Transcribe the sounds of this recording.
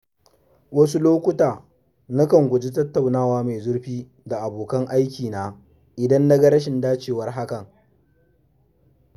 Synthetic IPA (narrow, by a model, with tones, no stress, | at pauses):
wɐ˦s̬u˦loː˦kʷʊ˦taː˨ | na˦kɐ˨ŋɡʷʊ˨d͡ʒi˦tɐ˦tːɐ˨wnaː˦waː˦me˨zʊ˦ɽɸiː˦ | da˨ʔa˨boː˨kɐ˦ŋʔa˦jkʲiː˨naː˦ | ʔɪ˨dɐ˦nːɐ˦ɡɐ˦ɾɐ˦ʃ̬ɪ˨ndaː˦t͡ʃeː˦˨wɐ˦rɦa˦kɐ˨ŋ